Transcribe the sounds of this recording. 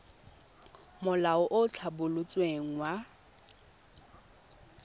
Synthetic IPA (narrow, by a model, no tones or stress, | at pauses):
mʊlaɔʔot͡ɬʰabʊlʊt͡sʼweŋ̩wa